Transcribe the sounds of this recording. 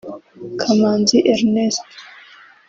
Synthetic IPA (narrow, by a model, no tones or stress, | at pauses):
kʰamaːnziʔeɾnest